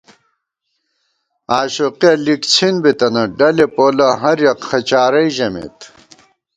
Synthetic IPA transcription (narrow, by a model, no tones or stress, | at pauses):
aːɕoqiɐlikt͡sʰinbit̪ɐnɐɖɐlepoːlɐɦɐɾjɐqxɐt͡ɕaːɾɐjʑɐmḛt̪